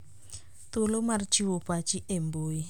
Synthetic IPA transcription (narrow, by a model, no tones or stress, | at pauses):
t̪olomart͡ʃiwobat͡ʃiʔemboi